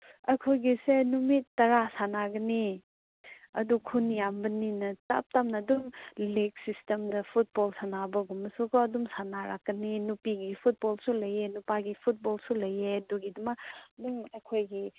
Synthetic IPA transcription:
ɐjkʰojɡisenumitːɐɾasanaɡɐni | ɐdukʰunjambɐninɐtɐ̰p̚tamnɐːdumleɡsistemdɐpʰut̚bolsanabɐɡumːɐsukʰɔɐdumsanaɾa̰kːɐninupiɡipʰut̚bolsulɐjenupaɡipʰut̚bolsulɐjeduɡidumɐkdumɐjkʰojɡi

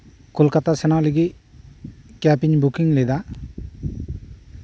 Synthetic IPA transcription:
kʰulkat̪asɛnawliɡi | kapiɲbukiŋled̪a

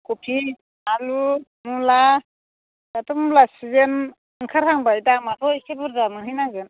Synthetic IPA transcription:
kupʰi | alu | mula | katumlasizen | ɯŋkʰaɾhaŋbajtamatʰɔjkʰebɔɾzamɯɦijnazɯn

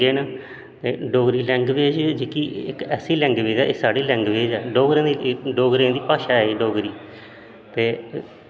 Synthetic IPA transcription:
eːnaː | t̪eːɖoːɡɾiːlɛ̃ːŋɡʋeːd͡ʒd͡ʒeːkiːɪ̰kɛːsiːlɛ̃ːŋɡʋeːd͡ʒɛːʔeːsaːɖiːlɛ̃ːŋɡʋeːd͡ʒɛːɖoːɡɾãːd̪iɖoːɡɾãːd̪iːpaːʃaːɛːɖoːɡɾiː | t̪eː

